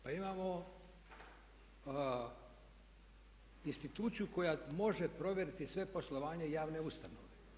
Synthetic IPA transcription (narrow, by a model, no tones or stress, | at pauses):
paimaːmo̞ | inst̪it̪uːt̪sijuko̞jamo̞ʒe̞pɾo̞ʋʲje̞ɾit̪isʋe̞po̞slˠoʋaːɲejaːʋne̞ust̪anoʋe